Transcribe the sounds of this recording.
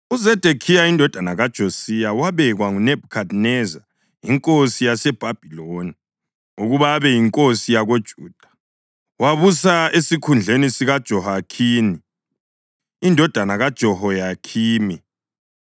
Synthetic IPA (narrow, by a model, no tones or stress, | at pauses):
uzɛd̥ʱekʰijaindʱɔd̥ʱanaɣad̥ʒ̥ʱosijawaβɛɣwaŋunɛb̥̚ʱukʰadnɛza | iŋkʼosijasɛb̥ʱab̥ʱiloni | uɣuβaβɛjiŋkʼosijaɣod̥ʒ̥ʱuːd̥ʱḁ | waβusaesikʰund͡ɮʱenisiɣad̥ʒ̥ʱɔɦakʰiːni | ndʱɔd̥ʱanaɣad̥ʒ̥ʱɔhɔjakʰiːmi